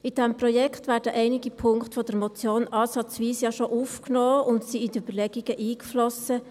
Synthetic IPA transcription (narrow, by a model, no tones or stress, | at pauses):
ɪd̥ɛmprɔjɛkχtʋæːɾdəʔɛɪnɪɡipʰʊŋkχtfɔd̥əɾmɔt͡sjoːnʔɑːsɑt͡sʋiːsjɑʃoʔufknoːʊntsiɪdyb̥ərlɛɡiɡ̥əʔiːkflɔsə